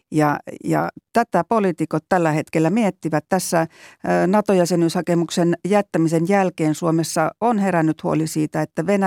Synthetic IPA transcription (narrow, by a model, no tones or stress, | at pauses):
jɑjɑ̰t̪æt̪æpolit̪ikot̪t̪ælːæhet̪kelːæmiet̪ːiʋæt̪t̪æsːænɑt̪ojæsenyshɑkemuksenjæt̪ːæmisenjælkeːnsuomesːɑonherænːyt̪huolisiːt̪æet̪ːæʋenæ